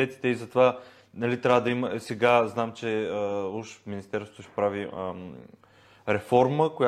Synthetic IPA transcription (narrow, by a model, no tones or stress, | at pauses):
ɛt̪i̥t̪ɛizɐt̪ova | nɐlit̪ɾʲavəd̪ɐiməsɛɡaznamt͡ʃɛəuʃminist̪ɛɾso̥t̪oʃɛ̥pɾavi | ɾɛfɔɾməkoja